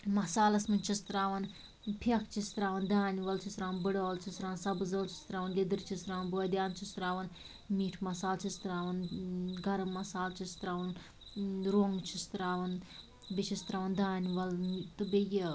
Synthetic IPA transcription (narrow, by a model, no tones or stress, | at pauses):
mɐsaːlɐsmɨnʲt͡ʃʰist̪ɾaːʋɐn | pʰɐkt͡ʃʰist̪ɾaːʋɐnd̪aːniʋɐlt͡ʃʰist̪ɾaːʋɐnbɨɽoːlt͡ʃʰist̪ɾaːʋɐnsɐbɨzɐlt͡ʃʰi̥st̪ɾaːʋɐnlʲid̪ɨɾt͡ʃʰist̪ɾaːʋɐnboːd̪ʲjaːnt͡ʃʰist̪ɾaːʋɐn | miːʈʰmɐsaːlt͡ʃʰist̪ɾaːʋɐnɡɐɾɐmːɐsaːlt͡ʃʰist̪ɾaːʋɐn | ɾoːŋɡt͡ʃʰist̪ɾaːʋɐn | bʲit͡ʃʰist̪ɾaːʋɐnd̪aːnʲiʋɐlt̪ɨbʲeji